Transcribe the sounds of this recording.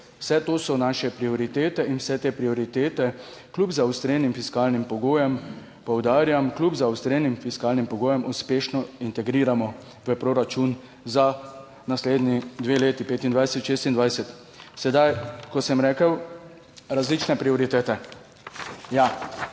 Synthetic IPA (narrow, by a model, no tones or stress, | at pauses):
wsɛt̪oːsɔnaʃɛpɾiɔɾit̪eːt̪ɛinwsɛt̪eːpɾiɔɾit̪eːt̪ɛklubzawst̪ɾeːnimfiskaːlnimpɔɡoːjɛm | pɔwd̪aːɾjamklubzaust̪ɾeːnimfiskaːlnimpɔɡoːjɛmuspeːʃnɔint̪ɛɡɾiːɾamɔ | ʋəpɾɔɾat͡ʃun | za | nasleːd̪nid̪ʋeːleːt̪ipeːt̪ind̪ʋajsɛt̪ʃeːst̪ind̪ʋajsɛt̪ | sɛd̪ajkɔsəmɾɛːkəw | ɾazlit͡ʃnɛpɾiɔɾit̪eːt̪ɛ | ja